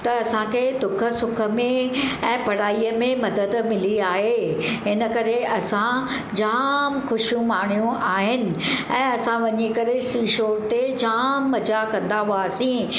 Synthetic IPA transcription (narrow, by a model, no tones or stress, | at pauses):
t̪ɐɐsãkʰed̪ʊkʰə̆sʊkʰə̆mẽɛ̃ːpɐɽaːijəmẽmɐd̪əd̪mɪliaːɦeɦɪnə̆kɐɾeɐsã | d͡ʑaːmxʊʃijũmaːɽ̃ijũʔaːɦɪnɪ̆ɛ̃ːɐsãʋɐɲikɐɾesiːʃoːɾt̪ed͡ʑaːmːɐd͡ʑakɐ̃nd̪aɦuasĩ